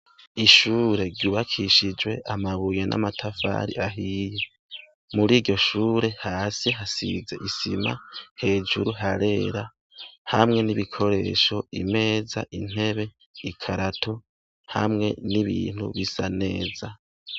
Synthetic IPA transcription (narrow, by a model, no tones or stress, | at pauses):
iʃuɾe̞ɾɟuːβakʰiʃid͡ʒwe̞ʔamaβujenʔa̰matʰafa̰ːɾḭʔaɦiːje̞ | muɾiːɾɟo̞ʃuːɾe̞haːsiɦasḭze̞ʔisima̰he̞ːd͡ʒuɾuɦaɾe̞ːɾa | hamŋe̞niβikʰo̞ɾe̞̰ːʃo̞ʔḭme̞ːza̰ʔin̥he̞βe̞ | ikʰaɾatʰo̞ | ha̰mŋe̞̰niβḭːn̥hṵβisane̞ːza